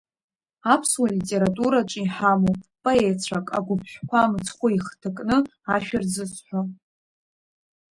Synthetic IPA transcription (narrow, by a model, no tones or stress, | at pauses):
apʰswalitʼe̞ɾatʼuɾaʈ͡ʂʼiħamopʼoet͡ɕʷʰakʼaɡʷʊpʰʃʷᶣkʷʰamt͡sʰʼχʷʊiχtʰɨkʼnɨ | aʃᶣard͡zɨsħʷa